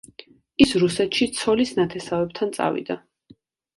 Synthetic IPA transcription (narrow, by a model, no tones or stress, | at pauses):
isɾusɛt̪ʃit̪sʰɔlisnat̪ʰɛsavɛb̚t̪ʰant̪sʼa̰vḭd̪a